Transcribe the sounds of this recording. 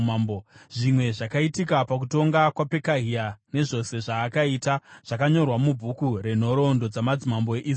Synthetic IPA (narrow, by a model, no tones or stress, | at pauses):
mboʐimwe̞ʐakaitikapak̬uto̞ŋɡakwape̞kaɦiane̞ʐo̞se̞ʐaːkaiːtaʐ̥akaɲo̞rwamubʱukure̞n̤o̞ɾo̞ndo̞d͡zamad͡zimamboeʔi